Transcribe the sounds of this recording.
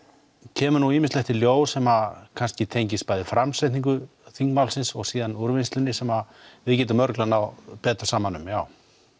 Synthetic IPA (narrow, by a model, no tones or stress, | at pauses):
cʰɛːmʏɾnuiːmɪstlɛht̪ɪljoːwsɛmakʰanscɪt̪ʰejɲcɪspaːjðɪfɾamsajt̪niŋk̬ʏ | θiŋkmawlsɪnsɔɣsiːðanuɾvɪnst̪lʏnːɪsɛma | vɪðcɛːt̪amœɾklanawpɛːt̪ḁsaːmanːʏmjaːw